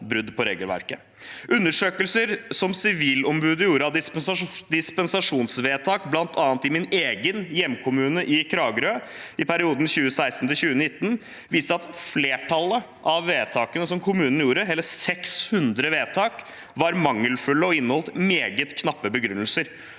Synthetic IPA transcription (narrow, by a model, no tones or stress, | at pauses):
bɾʉd̪ːpʰɔɾḛːɡəlʋæ̰ɾkə | ʔʉnːəʂøːkəlsəɾsɔmsɪʋiːlɔmbʉːd̪əjuːɾəɑd̪d̪ɪspɛnsɑʂuːnsʋeːt̪ʰɑːkblɑnt̪ʰɑːnt̪ɪmɪneːɡənjɛmːkʰʊmʉːnəʔɪkʰɾɑːɡɾøː | ɪpʰæɾɪuːd̪n̩çʉːəsæɪst̪n̩t̪ʰɪlçʉːənɪt̪ːn | ʋiːst̪əɑt̪fleːʈʰɑlə | ʔɑʋːeːt̪ʰɑːkənəsɔmkʰʊmʉːnn̩juːɾəɦɛlːəsɛkshʉnd̪ɾəʋeːt̪ʰɑːk | ʋɑɾmɑŋːəlfʉlːəɔɪnːəɔlt̪meːɡət̪kʰnɑpːəbəɡɾʉnːəlsəɾ